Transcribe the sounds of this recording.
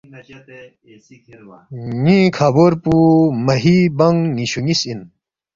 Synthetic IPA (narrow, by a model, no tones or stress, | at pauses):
ɲĩkʰaːboɾpumɐɦibɐŋniɕuŋisin